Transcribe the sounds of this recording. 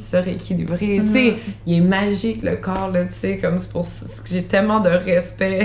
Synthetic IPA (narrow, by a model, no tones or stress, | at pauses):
səʁekʲʰilḭbʁet͡seilɛmaʒɪklə̰kɑːʁlət̪sekɔmspuʁs | kəʒet̪ɛlmɑ̃d̪əʁɛspɛ